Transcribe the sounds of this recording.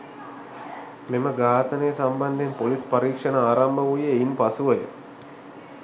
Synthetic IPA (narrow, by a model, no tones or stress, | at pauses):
meməɡaːt̪ənəjəsamband̪empolispɐɾiːkʂənəaːɾambəʋujəːimpasuʋəjə̰